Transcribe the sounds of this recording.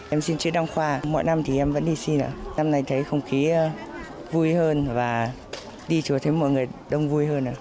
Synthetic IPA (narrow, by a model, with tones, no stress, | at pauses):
ʔɛ˧msi˧nt͡ɕḭ˨˧˥əɗa˧ŋxwaː˧mɔ̰˧˨jna˧mt̪ʰi˨˩ʔɛ˧mvə̰˧˥nɗi˧si˧nʔə̰˧˩na˧mna˧jt̪ʰə˨˦jxə˧wŋ͡mxi˨˦˧vu˧jhəː˧nvaː˨˩ | ɗi˧t͡ɕu˨˩t̪ʰə˨˦jmɔ̰˧˨jŋɨ˨˩əjɗə˧wŋ͡mvu˧jhəː˧nʔə̰ː˧˩˨